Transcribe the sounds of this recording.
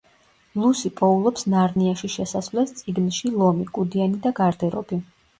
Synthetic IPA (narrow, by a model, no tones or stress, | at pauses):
lˠusipʼɔulˠɔpsnaɾniaʃiʃɛsasvlɛst̪sʼiɡnʃilˠɔmikʼud̪ianid̪aɡaɾd̪ɛɾɔ̰bi